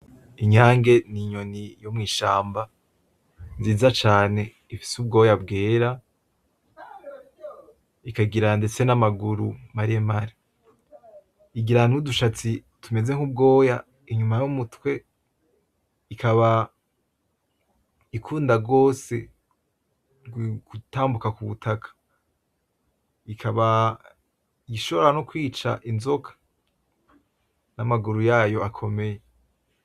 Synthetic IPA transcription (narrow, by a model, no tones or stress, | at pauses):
iɲaːŋɡe̞niɲo̞nijo̞mŋiːʃaːmba | nziːzat͡ʃaːne̞ | ifi̥sub̚ɡo̞ːjabɡeːɾa | ikaɡiɾande̞t͡se̞namaɡuɾumaɾiemaɾi | iɡiɾanuduʃat͡si | tʰume̞ze̞ŋ̥ub̚ɡo̞ːja | iɲumajumutwe̞ | ikʰaβa | ikʰuːndaɡo̞ːse̞̰ | ɡutaːmbukakuβutʰakʰḁ | ikʰaβa | jiʃo̞βoɾano̞kwiːt͡ʃa̰ʔinzo̞kʰḁ | namaɡuɾujaːjo̞akʰo̞me̞je̞